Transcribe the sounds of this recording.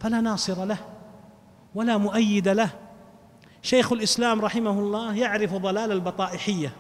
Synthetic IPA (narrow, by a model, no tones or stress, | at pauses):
falaːnɑːsˤɨɾɑlah | walaːmʊʔajːɪd̪alah | ʃajxalʔɪslaːmɾˤɑħɪmahʊlˤːɑːjaʕɾɪfðˤɑlaːlalbɑt̪ˤɑːʔɪħɪjːa